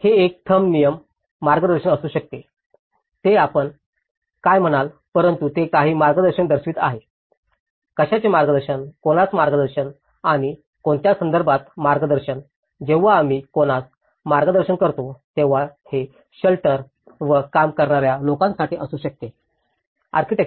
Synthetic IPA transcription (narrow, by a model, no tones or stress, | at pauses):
heek̚t̪ʰəmnijəmː | aɾɡəd̪əɾɕəɳəsuːɕək̚t̪e | t̪eapəɳ | kajm̤əɽ̃al | pəɾənt̪ut̪ekaɦiːmaɾɡəd̪əɾɕəɳd̪əɾɕiːt̪a̰ɦe | kəɕat͡ɕemaɾɡəd̪əɾɕənkoɽ̃at͡smaɾɡəd̪əɾɕən | aɽ̃i | koɳt̪jasənd̪əɾbʱat̪maɾɡəd̪əɾɕən | d͡ʑeʋ̤aːm̤iːkoɽ̃at͡s | maɾɡəd̪əɾɕəɳkəɾt̪ot̪eʋ̤ahe | ɕəlʈəɾ | ʋəkamkəɾɳaɾjalokãnsaʈiːʔəsuːɕək̚t̪e | a̰ɾkiʈe